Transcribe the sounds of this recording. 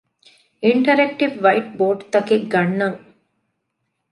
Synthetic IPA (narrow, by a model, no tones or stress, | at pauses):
iɳʈɐɾek̚ʈiʋʋɐjʈ̚boːɖt̪ɐkiɡɐɳːɐŋ